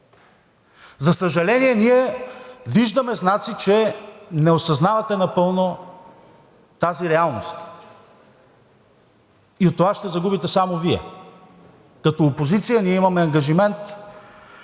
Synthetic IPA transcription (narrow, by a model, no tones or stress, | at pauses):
zɐsɐʒɐlɛniɛniɛ | viʒd̪ɐmɛznat̪sit͡ʃɛnɛosɐznavɐt̪ɛnɐpɤlˠno | t̪aziɾɛalˠnost̪ | iot̪ːovaʃt̪ɛzɐɡubit̪ɛsamoviɛ̰ | kɐt̪oːpozit̪sijəniɛimɐmɛɐŋɡɐʒimɛnt̪